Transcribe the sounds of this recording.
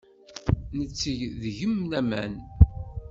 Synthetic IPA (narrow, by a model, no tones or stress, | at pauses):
nət͡sːəʝðʝəmnæmæ̰n